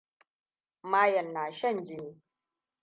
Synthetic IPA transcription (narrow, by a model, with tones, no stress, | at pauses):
maː˦jɐ˨nːaː˨ʃɐ˦˨nd͡ʒɪ˦niː˦